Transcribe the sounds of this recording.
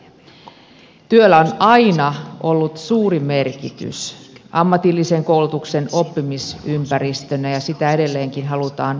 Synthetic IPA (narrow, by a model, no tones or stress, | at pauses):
t̪yølːæonɑinɑʔo̞lːut̪suːrime̞rkḭt̪y̰sʔɑmːɑt̪ilːise̞ŋkouwlut̪ukse̞no̞pːimisympæɾist̪ønæjɑsit̪æe̞de̞lːeːŋkinɦɑlut̪ɑːn